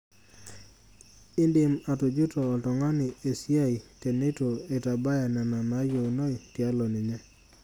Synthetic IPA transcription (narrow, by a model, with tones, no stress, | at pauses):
ɪ˦ndɪ˨ma˨tu˨d͡ʒu˦tɔː˨tɔ˨ŋa˦nɪ˨e˨si˦a˦i˨te˨ne˦to˨e˨ta˨ba˦ja˨na˨na˨na˨˦jo˨no˦i˨tja˦lɔ˨nɪ˨ɲɛ˦